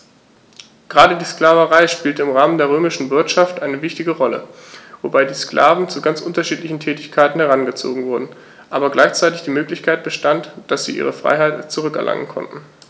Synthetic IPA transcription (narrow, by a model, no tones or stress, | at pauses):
ɡ̥əʁaːɾədiːsklaːvəʁaɪʃpiːltəɪmʁaːməndeːɐʁøːmɪʃn̩vɪɐtʃaftʔaɪnəvɪçtɪɡəʁɔlə̰vobaɪdiːsklʔa̰ːvn̩t͡suɡant͡sʔʊntɐʃiːtlɪçn̩tʰɛːtɪçkʰaɪtn̩hɛʁanɡət͡so̰ːɡŋ̩vʊɐdn̩ | ʔaːbɐɡlaɪçt͡saɪtɪçd̥iːmøːklɪçkʰaɪt̚b̥əʃtantd̥asz̥ḭːʔḭːʁəfʁ̥a̰ɪɦaɪtt͡suʁʏkɛɐlʔa̰ŋə̰nkʰɔ̰ntn̩